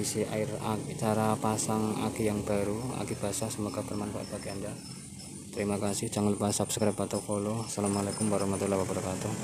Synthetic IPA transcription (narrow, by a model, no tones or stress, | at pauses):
isiaɪrait͡ʃaɾapasaŋa̰kijaŋb̥a̤ɾua̰kib̥a̤sasəməkapərmanpa̰ʔt̪̚b̥akeanda | t̪əɾimakasɪhd͡ʒ̥aŋlupasap̚sə̥kəɾabat̪okolɔsalamalakʊmwaɾahmat̪ulawabaɾakat̪ɔ